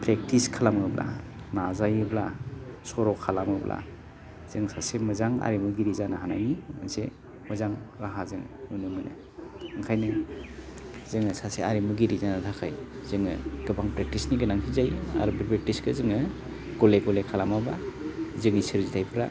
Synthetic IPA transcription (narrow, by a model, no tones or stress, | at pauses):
pɾek̚tiskʰalamɯblʔa̰ | nazajɯblasɔɾɔkʰːalamɯblʔa̰ | z̥ɯŋsasemɯzaŋa̰ɾimuɡiɾizanahanajniɯ̰ŋse | məzaŋɾaɦazɯŋnunɯmɯnɯ̰ | ɯŋkʰajnɯ | z̥ɯŋɯsaseaɾimuɡiɾizanatʰakʰajz̥ɯŋɯ̰ɡ̥ɯbaŋpɾek̚tisniɡɯnaŋkʰizaja̰ɾubiɾpɾek̚tiskɯzɯŋɯ | ɡ̥ɔleɡɔlekʰalamabazɯŋisɯɾzitʰajpʰɾa